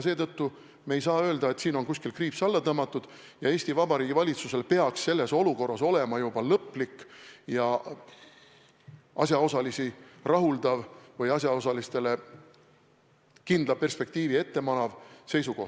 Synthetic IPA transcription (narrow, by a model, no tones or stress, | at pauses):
se̞ːt̪ɤt̪ːu | mejsɑːø̞ːld̪̥ɑe̞t̪siːno̞nkusʲkilkriːpsɑlːɑt̪ɤmːɑt̪ːˑud̪̥ | jɑe̞ːsʲt̪ivɑbɑɾiːɡivɑlʲit̪suse̞lpe̞ɑksse̞lːe̞so̞luko̞rːɑso̞le̞mɑjub̥ɑlɤpːˑlikːjɑ | ʔɑsjɑo̞sɑlisirɑɦuld̪ɑvvɤjɑsʲjɑo̞sɑlist̪e̞le̞ | kind̪̥lɑpe̞rspe̞k̚t̪iːvie̞t̪ːe̞mɑnɑvse̞jsuko̞ht̪